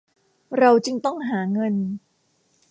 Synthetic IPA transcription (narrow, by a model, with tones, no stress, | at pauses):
ɾa˧wt͡ɕɯ˧ŋt̪ɔ˥˩ŋɦaː˩˦ŋɤ˧n